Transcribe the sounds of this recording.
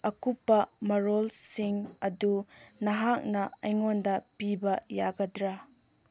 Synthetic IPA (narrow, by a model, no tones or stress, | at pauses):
ɐkupːɐmɐɾolsiŋɐdunɐɦak̚nɐɐjŋondɐpibɐjaɡɐdɾa